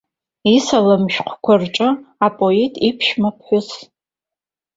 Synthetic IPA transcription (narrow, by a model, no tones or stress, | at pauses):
isalɨmʃᶣqʷʰkʷʰarʈ͡ʂʼɨapʼoitʼipʰʃmapʰħʷʊz